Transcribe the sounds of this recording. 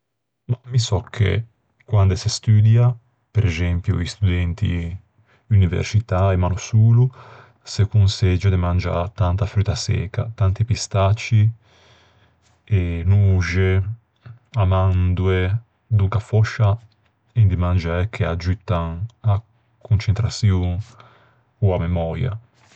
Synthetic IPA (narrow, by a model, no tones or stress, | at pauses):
mamisɔkʰːḛ | kwand̪esest̪yːd̪ja | peɾʔɛzɛmpjṵist̪ud̪ɛnt̪ḭ | univḛɾsit̪aemaːnusuːlu | sekunsed͡ʒod̪emand͡ʒa̰t̪ant̪afɾyːt̪ːasɛ̰ːka̰t̪ant̪ipist̪at͡ʃːi | enuʒe | amand̪ue | d̪uŋkafɔʃːa | ind̪imand͡ʒaɛkʰːead͡ʒyt̪ːaŋa | kunt͡ʃent̪ɾasjuŋ | uamemɔɾja̰